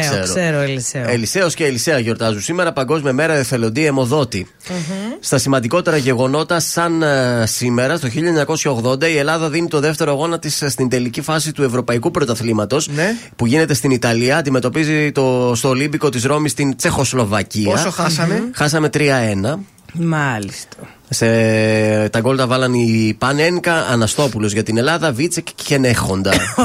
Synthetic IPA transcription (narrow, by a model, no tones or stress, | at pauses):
sseɾoeɾoeliseelise̞o̞sceːlise̞ɐʝo̞ɾt̪ɐzusime̞ɾɐpɐŋɡo̞zmiɐme̞ɾɐeθe̞lo̞nd̪iemo̞ðo̞t̪i | st̪ɐsimɐnd̪iko̞t̪e̞ɾɐʝe̞ɣo̞no̞t̪ɐsɐnsime̞ɾɐst̪o̞çiʎɐɲɐko̞sçɐoɣðo̞nd̪ɐie̞lɐðɐðinit̪o̞ðe̞ft̪e̞ɾoɣo̞nɐt̪isst̪ind̪e̞licifɐsit̪ue̞vɾo̞pɐikupɾot̪ɐθlimɐt̪o̞snpuʝine̞t̪e̞st̪init̪ɐliɐɐːnd̪ime̞t̪o̞pizit̪o̞st̪o̞limbiko̞t̪izɾo̞mist̪int͡se̞xo̞slo̞vɐciɐsoxɐsɐmexɐs̬ɐme̞t̪ɾiɐe̞nɐ | mɐlist̪ɐ | se | t̪ɐɡo̞lt̪ɐvɐlɐnipɐne̞ŋkɐːnɐst̪o̞pulo̞zʝɐt̪ine̞lɐðɐvit͡secçe̞ne̞xo̞nd̪ɐ